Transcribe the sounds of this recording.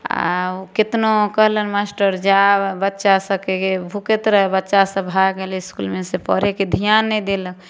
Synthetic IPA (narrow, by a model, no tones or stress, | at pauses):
a̰okit̪nokəɦlənmasʈəɾd͡ʒabətːʃasəkekebʱuket̪ɾəɦɛbətːʃasə̃bʱaɡeliɪskulmẽsepəɾeked̪ʱijanːɛjd̪elək